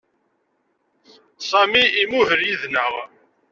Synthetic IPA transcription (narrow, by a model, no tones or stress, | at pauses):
sˤɑmiːmʊhəɾjiðnəʁ